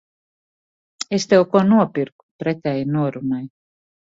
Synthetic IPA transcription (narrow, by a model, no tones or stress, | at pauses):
est̪ewkunuɔpiɾku̥pɾet̪ʲæjnuɔɾunaj